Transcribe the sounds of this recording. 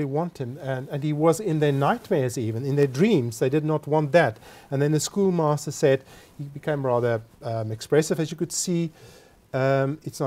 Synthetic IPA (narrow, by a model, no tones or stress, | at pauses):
iwɑ̃nt̚hɨ̃mɨ̃nɨ̃niwʌzɪ̃nðə˞naɪt̚mɛɹzivɨ̃nɨ̃nðə˞dɹĩmzðeɪdɨdⁿnət̚wɑ̃nðæɾɨ̃nðɨ̃nðɨskulˠmæstə˞sɛd̥̚hibɨkʰẽɪ̃mɹæðə˞ʌ̃mɨkspɹɛsɨvɨzjɨkɨd̥si | ʌ̃mɨtsn